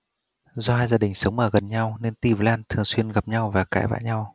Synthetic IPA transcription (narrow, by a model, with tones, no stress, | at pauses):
zɔ˧haː˧jzaː˧ɗï˨˩ŋ̟sə˨˦wŋ͡mʔəː˨˩ɣə˨˩nɲa˧wne˧nt̪i˧və˨˦laː˧nt̪ʰɨ˨˩əŋswi˧ənɣa˨˩p̚ɲa˧wvaː˨˩kaː˧˩jva̰ː˧˨jɲa˧w